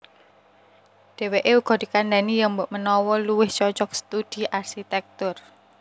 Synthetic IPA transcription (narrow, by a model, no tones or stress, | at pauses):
ɖ̥e̤weʔeuɡ̥ɔ̤d̥̪i̤kand̪anijəmbʊʔmənɔwɔluwɪht͡ʃɔt͡ʃɔk̚sə̥t̪ud̥i̤ʔarʃit̪ɛk̚t̪ʊr